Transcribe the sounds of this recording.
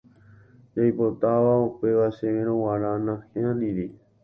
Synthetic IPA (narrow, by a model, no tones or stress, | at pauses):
d͡ʒajpot̪aʋaupe̞ʋaʃẽẽɾõwaɾanãhẽãnĩɾi